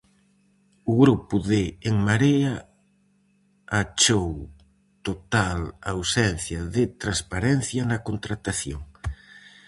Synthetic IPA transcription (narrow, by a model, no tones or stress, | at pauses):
uɣɾupuðeːŋmaɾea | at͡ʃow | t̪ot̪alawsɛn̟θjaðet̪ɾanspaɾɛn̟θjanakont̪ɾat̪aθjoŋ